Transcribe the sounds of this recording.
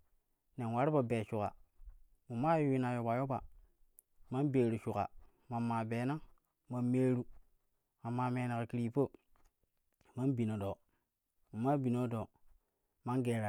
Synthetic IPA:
ne˨nwa˦ɾba˨be˨ʃu˨ka̰˨ | mu˨ma˦ju˦wi˦na˨jo˨ba˨jo˦ba˨ | ma˦nbe˨ɾu˨ʃu˨ka̰˨ | ma˨mːa˨beː˨na˦ | ma˨nmeː˦ɾu˦ | a˨mːa˦me˨˦na˨ka˨ki˦ɾi˦po˦ | ma˦nbi˨no˨do˨ | mu˨ma˦bi˨no˦do˨ | ma˦nɡe˨ɾa˨

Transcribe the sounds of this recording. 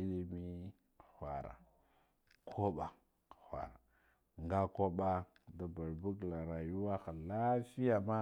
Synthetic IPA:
i˦li˦mi˦˨ | xʷa̰˨ɾa̰˨ | kʰo˦ɓa˨ | xʷa̰˨ɾa˨ | ŋɡa˦ko˦ɓa˦ | da˨ba˨ɾbu˦kla˨ɾa˨ju˦wa˦xa˨la˦si˦ja˨ma˦

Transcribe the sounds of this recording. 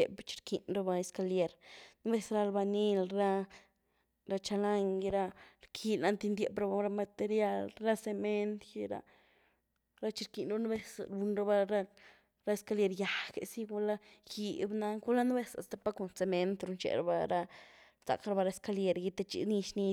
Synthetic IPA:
e˨bt͡ʃi̥˧ɾkʰi˧nɾa˧ba˧e˧ska˧lje˧ɾn˦be˦sɾa˧lba˧ni˦lɾa˦˧ | ɾa˧t͡ʃa˧la˧ŋɡi˧ɾa˧ɾkʰi˧lna˧˦nt̪i˧nd̪je˨bɾa˧ba˧ɾa˧ma˧t̪e˧ɾja˦˧lɾa˦se˧me˦nt̪ji˦ɾa̰˧ | ɾa˦t͡ʃi˧ɾki˧nɾbn˦be˦sɾu˧nɾa˦ba˧ɾa˦ | ɾa˦e˧ska˧lje˧ɾja˨kḛ˨si˦ɡa˧la˦ji˧bna˦ɡu˦la˦n˦be˦sa̰˨st̪a˨pa˦ko˨nse˨˧me˧nt̪ɾu˧nt͡ʃḛ˨ɾa̰˧ba˧ɾa˧ | sa̰˨kɾa˧ba˧ɾa˧e˧ska˧lje˧ɾji˧t̪e˧t͡ʃḭ˧ni˧ʃni˧

